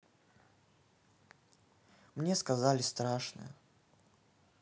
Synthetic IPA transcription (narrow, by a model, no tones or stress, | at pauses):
mnʲeskazalʲɪst̪ɾaʂnɨ̰jə